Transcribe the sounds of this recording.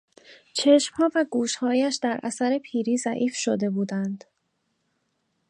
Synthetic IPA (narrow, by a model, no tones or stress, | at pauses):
t͡ʃʰe̞ʃmhɒːvæɡuːʃhɒːjæʃd̪æɾʔæ̰sæɾe̞pʰiːɾiːzæʔiːfʃod̪e̞buːd̪ænd̪̥